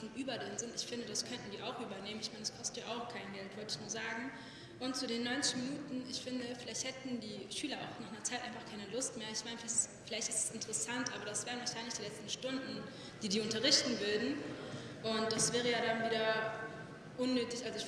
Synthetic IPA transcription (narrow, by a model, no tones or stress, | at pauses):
nʔyːbɐdɪnzɪntɪçfɪndədaskʰœntn̩diːʔaʊxʔyːbɐneːmənɪçmaɪnɛskʰɔstəjaːʔaʊxkʰaɪnɡɛltv̥ɔltəɪçnuːɐzaːɡŋ̩ | ʔʊnt̚t͡sudeːnːɔʏnt͡sɪ̥çminuːtn̩ɪçfɪndəfɪlaɪçt̚hɛtn̩diːʃyːlɐa̰ʊxnaːχnɐt͡saɪtʔa̰ɪnfaχkʰaɪnəlʊstmeːɐɪçmaɪnəfɪlafɪlaɪçtɪstɛ̥sɪntəʁəsantʔaːbɐɾasv̥ɛːʁnvaɐʃaɪnlɪçd̥iːlɛt͡stn̩ʃtʊndn̩ | d̥iːdiːʊntɐʁ̞ɪçtn̩vʏɐdn̩ | ʔʊnt̚d̥asv̥ɛːʁ̞əjaːdanviːdɐ | ʔʊnːøːtɪçʔalzoɪç